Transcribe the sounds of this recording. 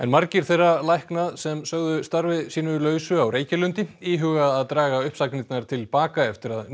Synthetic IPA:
ɛ̰nmaɾcɪɾ̥θejrːalajhknaðsɛmsœɣðʏst̪aɾvɪðsiːnʏlœːɥsʏawɾeːjcɪlʏnt̪ɪiːɦʏɣaðaðt̪ɾaːɣaʏhpsaknit̪naɾ̥t̪ʰɪlpaːkaɛft̪ɪɾað

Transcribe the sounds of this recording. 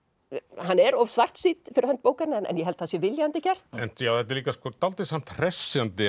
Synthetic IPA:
hanːɛɾɔvsvar̥t̪siːt̪fɪɾɪ̥ɾhœnt̪̚poːwkaɾnɛnɛ̰njɛɦɛlt̪hasjɛvɪljant̪ɪcɛr̥t̪ɛnt̪jaːwðɛt̪ːɪliːkaskɔt̪alt̪ɪsam̥t̪r̥ɛsjant̪ɪ

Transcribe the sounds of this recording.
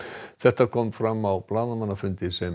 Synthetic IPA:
θɛht̪ːakʰɔmfɾamːapʰlaːnamanafʏnt̪ɪisɛm

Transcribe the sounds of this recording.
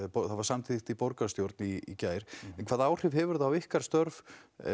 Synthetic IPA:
pɔθaðvaɾsamt̪ʰit̪ipɔɾkast̪jowɾt̪̚niicaːjɾ̥ɛnkʰvaːðawr̥ɪvɦɛvʏɾðaːwɪhkaɾ̥st̪œɾv

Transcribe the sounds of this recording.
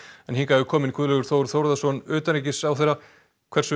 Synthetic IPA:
ɛnhiŋkaɛvʏkʰɔːmɪnikʰvʏðlɛɣʏɾ̥θowɾθowɾðasɔnʏːt̪anɾecɪsawθejɾa | kʰv̥ɛrsʏ

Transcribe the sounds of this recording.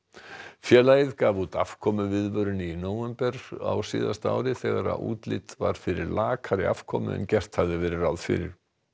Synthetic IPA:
fjɛːlajɪðkaːvut̪afkʰɔmʏvɪðvœɾʏnɪinoːwɛmpɛɾ̥a̰wsiːðast̪a̰ːwɾɪθɛɣaɾa̰ṵːt̪lɪt̪vaɾ̥fɪɾɪɾlaːkʰaɾɪʔa̰fkʰɔːmʏ̰ɛ̰ncɛr̥t̪havðɪvɛːɾɪɾawðfɪ̰ɾɪ̰ɾ̥

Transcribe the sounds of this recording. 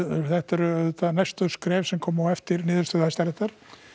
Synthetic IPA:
θɛht̪ɛɾʏt̪anajst̪ʏskɾɛːvsɛmkʰɔːmawɛft̪ɪɾnɪːðʏɾst̪œðhajst̪aɾɛht̪aɾ̥

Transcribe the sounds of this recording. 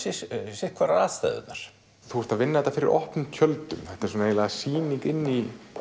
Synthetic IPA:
sɪsɪkʰvaɾaaːðst̪a̰jðʏ̰t̪naɾ̥ | θuhɛɾt̪aðvɪnːahɛt̪ːafɪɾɪ̰ɾʔɔ̰hpnʏmt̪ʰœlt̪ʏmθɛht̪aɛɾsɔnaeːjlaɣasiːniŋkɪnːi

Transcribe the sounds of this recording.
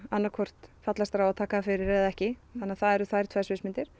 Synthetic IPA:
anːakʰɔr̥t̪fat̪last̪ɾawaðt̪ʰaːkafɪɾɪɾɛðɛhcɪθanːaθaðɛɾʏθvajɾ̥t̪v̥ajsvɪsmɪnt̪ɪɾ̥

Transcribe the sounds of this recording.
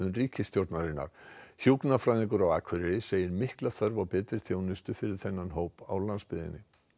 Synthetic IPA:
ʏnriːcɪst̪jowɾt̪naɾɪnːa̰ɾ̥çuknafɾajðɪŋk̬ʏɾawaːkʰvʏɾɪɾɪseːjɪɾmɪhklaθœɾvawpɛːt̪ɾɪɾ̥θjoːwnɪst̪ʏfɪɾɪɾ̥θɛnːanɦoːwpa̰wlanspɪðɪ̰nːɪ

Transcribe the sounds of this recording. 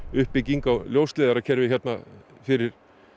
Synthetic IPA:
ʏhpːɪciŋkawljowst̪lɛːðaɾacʰɛɾvɪçjɛt̪̚na | fɪɾɪɾ̥

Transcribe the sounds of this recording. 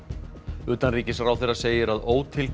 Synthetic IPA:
ʏːt̪anriːcɪsrawθeraseːjɪɾaðoːwt̪ʰɪl

